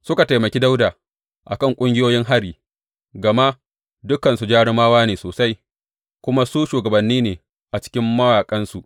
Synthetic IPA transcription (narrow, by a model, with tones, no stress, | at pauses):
sʊ˦ka˨ta˨jmɐ˨kʲi˦da˦wdaː˨ | ʔa˨kɐ˦˨ŋkʷʼʊ˦ŋɡʲɪ˦joː˦jɪ˦ŋɦa˦ɽiː˨ | ɡɐ˨ma˦ʔ | dʊ˦kɐ˨nsu˨d͡ʒaː˦ɽɪ˦maː˦waː˦neː˨soː˨sa˦j | kʷʊ˦ma˦suː˦ʃuː˨ɡɐ˨bɐ˨nːiː˦neː˨ | ʔa˨t͡ʃɪ̥˦kʲɪ˦mːɐ˦waː˨kʼɐ˦nsu˨ʔ